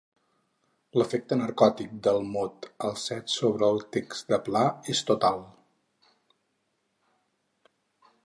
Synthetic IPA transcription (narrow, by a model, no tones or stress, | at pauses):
ləfek̚t̪ənəɾkɔt̪ik̚d̪əlˠmot̪əlˠsɛt̪soβɾəːlˠt̪ekz̥d̪əplaest̪ut̪alˠ